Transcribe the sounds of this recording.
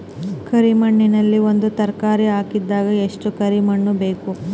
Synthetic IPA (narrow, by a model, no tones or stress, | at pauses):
kɐɾimɐɳːinɐlːio̞nd̪ut̪ɐɾkaːɾiɦaːkid̪ːaːɡɐeʂʈukɐɾimɐɳːube̞ːku